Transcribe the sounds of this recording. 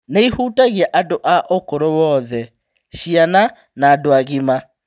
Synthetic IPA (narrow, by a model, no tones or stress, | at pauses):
neihuːtaɣiaʔadoʔaʔokoɾowɔðɛ | ɕiana | naːdoaɣima